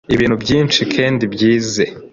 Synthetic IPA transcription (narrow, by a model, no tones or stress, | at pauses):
iβiːn̥hubɟiːnt͡ʃikʰeːndibjiːze